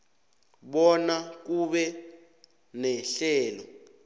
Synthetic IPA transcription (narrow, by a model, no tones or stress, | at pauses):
ɓɔnak̬uɓɛ | nɛɬɛːlɔ